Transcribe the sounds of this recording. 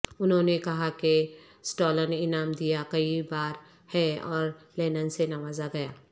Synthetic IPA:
ʊnɦõnekɐɦake | sʈoːlənɪnaːmd̪ijakɐibaːɾ | hɛɔːɾ | lɛːnənsenɐʋaːzaɡɐjaː

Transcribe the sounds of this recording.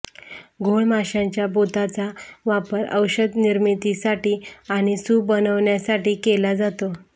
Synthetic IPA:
ɡʱoɭmaɕãɲt͡ɕjabot̪at͡saʋapəɾə̰wɕəd̪niɾmit̪isaʈiːaɽ̃isuːbənəʋɳjasaʈiːkelad͡zat̪o

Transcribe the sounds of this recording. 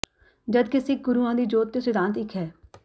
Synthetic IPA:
d͡ʒəd̪kɪsɪk̚ɡʊɾuãːd̪iːd͡ʒoːt̪ːesɪd̪ʱãːnt̪ɪkʰɦɛː

